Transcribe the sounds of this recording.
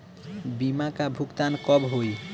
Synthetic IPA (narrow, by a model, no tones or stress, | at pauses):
bimakabʱukt̪ankɔbɦoj